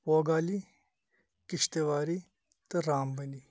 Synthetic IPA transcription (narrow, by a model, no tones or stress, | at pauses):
poːɡaːli | kɪʃt̪eʋaːɾi | t̪ɐɾaːmbɐni